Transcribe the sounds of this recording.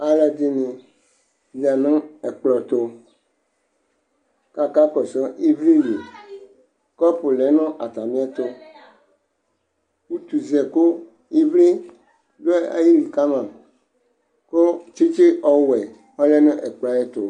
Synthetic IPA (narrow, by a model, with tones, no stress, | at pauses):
a˦la˨d̪i˦nĩ˨ | zi˨a˨nɔ̃˦ɛ˨k͡plɔ˨t̪o˦ | ka˨ka˦kɔ˨sɔ˦ʔi˦vli˦li˨ | kɔ˦po˨lɛ˨˦nɔ̃˦ʔa˨t̪a˨mĩ˦a˦t̪o˦ | wu˦t̪u˨zɛ˨ko˦ | i˦vli˦ | do˦a̰˦ji˦li˨ka˦mã˨ | ko˦t͡ʃi˦t͡ʃi˦ʔɔ˦wɛ˨ | ɔ˦lɛ˦nẽ˦ʔɛ˨k͡pla˦jɛ˦t̪o˨